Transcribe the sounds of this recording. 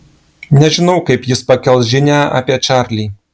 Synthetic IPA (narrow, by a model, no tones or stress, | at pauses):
nʲɛʒʲɪnɐwkɐɪpjɪspɐkʲɛlˠʒʲɪnʲæɐ̰pʲiɛt͡ʃaɾʲlʲi